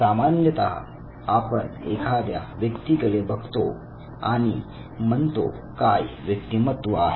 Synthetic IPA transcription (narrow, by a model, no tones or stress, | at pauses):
samanjət̪aɦ | apəɳḛkʰad̪ja̰ʋjəkt̪ikəɭebəɡʱt̪o | a̰ɽ̃i | mənt̪o̰ | kajʋjəkt̪imət̪ʋəaɦe